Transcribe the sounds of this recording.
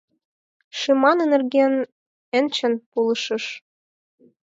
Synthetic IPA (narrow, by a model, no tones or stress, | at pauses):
ʃemɑnə̆nĕrɡen | ə̆nʲt͡ɕə̆npulˠɤʃɤ̆ʃ